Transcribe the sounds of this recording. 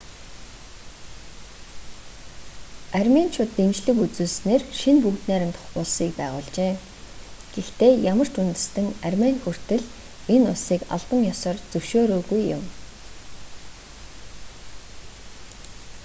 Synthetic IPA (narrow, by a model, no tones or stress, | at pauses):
armʲent͡ɕʰʊt̪ːemt͡ɕɮɘ̆kut͡suːsneːrʃinpukt̪næːɾə̆mt̪ʰχʊɮsiːkpæːʁʊːɮt͡ɕeː | ɡ̥ext̪eːjamə̆r̥t͡ɕunt̪ɘ̆st̪ɘ̆ŋarmenxur̥t̪ɘ̆ɮ | enʊɮsiːka̰ɮp̪ə̆ŋjɔsɔːrt͡sɵwʃoːɾoːɣujːʊ̰m